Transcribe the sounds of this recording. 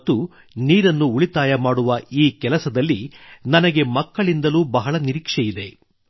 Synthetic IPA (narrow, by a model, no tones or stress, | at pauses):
t̪ːu | niːɾɐnːuːɭit̪aːjɐmaːɽuʋɐiːkɛlɐsɐd̪ɐlːinɐnɐɡe̞mɐkːɐɭind̪ɐluːbɐɦɐɭɐniɾikʂɛjid̪e̞